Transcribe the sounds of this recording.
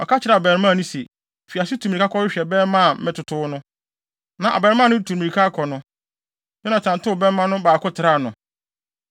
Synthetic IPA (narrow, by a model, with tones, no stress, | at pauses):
ɔ˨kʰa˦t͡ɕʰɪ˨ɾa˨bɛː˨ɾmã˦˨nʊ̃˦se˨ | fi˨a˨sɪ˦tʰu˨m˨i˨kʰa˦kʰɔ˦ɪ˦ɕᶣɛ˨bɛ˦ɾmã˦˨m̩˦mɪ̃˦tʰʊ˨tʰʊː˦nʊ̃˦ | nã˨ʔa̰˨bɛː˨ɾɪ˦mã˦nʊ̃˦˨tʰu˨mĩ˨i˨kʰa˦kʰɔ˨nʊ̃˦ | ɲɛ̃˦nã˨t͡ɕʰã˨n˨tʊ˦˨bɛ˦mã˦nʊ̃˦baː˨kʰʊ˦tʰɪ˨ɾa˦˨nʊ̃˨